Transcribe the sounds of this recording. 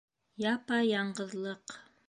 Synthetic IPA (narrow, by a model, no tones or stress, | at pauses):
jɑpɑjɑɴɢɤ̆ðlˠɤq